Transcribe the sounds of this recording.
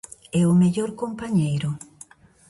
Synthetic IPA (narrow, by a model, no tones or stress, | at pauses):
ɛʊmeʎoɾkompaɲejɾʊ